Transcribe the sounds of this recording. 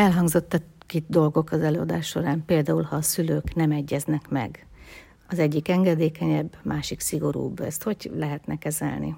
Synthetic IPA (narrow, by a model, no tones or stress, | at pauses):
ɛlɦɒŋɡzo̞t̪ːɛtkid̪o̞lɡo̞kɒzɛløːɒd̪aːʃːo̞ɾaːmpeːld̪aːulhɒːsyløːknɛmɛɟːɛznɛkmɛ̰ɡ | ɒzɛɟːikɛŋɡɛd̪eːkɛɲɛbːmaːʃiksiɡo̞ɾṵːbɛst̪ho̞ɟlɛɦɛt̪nʔɛkɛzɛ̰lnḭ